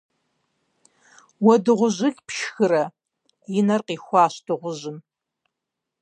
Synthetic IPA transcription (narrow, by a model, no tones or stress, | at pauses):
wɐdɨʁʷʊʑɪɮʲpʃxɨɾɐ | jɪnɐrqiːxʷɑːɕdɨʁʷʊʑɪm